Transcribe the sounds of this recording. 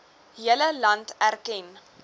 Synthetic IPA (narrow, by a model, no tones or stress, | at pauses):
ɦiələlɐntærkɛn